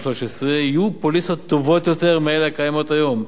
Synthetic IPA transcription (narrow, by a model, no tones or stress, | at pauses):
ʃloʃesʁeijupolisot̪ːovo̞t̪jot̪eʁmeelakajamo̞t̪ajo̞m